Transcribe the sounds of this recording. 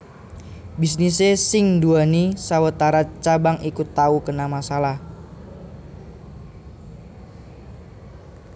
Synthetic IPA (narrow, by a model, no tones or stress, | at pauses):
bisnisesɪŋnduanisawət̪aɾat͡ʃabaŋikut̪ːaukənamasalah